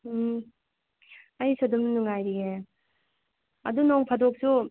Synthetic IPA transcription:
ajsadɯmnɯnɯŋajɾie | ɐ̰dunɔŋpʰadok̚su

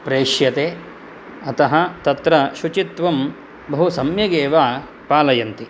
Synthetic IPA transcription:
pɾeːʃjɐt̪eː | ɐt̪ɐɦɐt̪ɐt̪ɾɐʃut͡ʃit̪ʋɐm | bɐɦusɐmjɐɡeːʋaː | paːlɐjɐnt̪i

